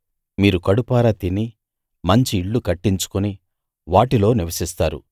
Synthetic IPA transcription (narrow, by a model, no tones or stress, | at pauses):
miːɾukɐɽupaːɾat̪inːi | mɐɲt͡ʃiːɭːukɐʈːiɲt͡ʃu̥kuni | ʋaːʈilo̞ːniʋɐsist̪aːɾṵ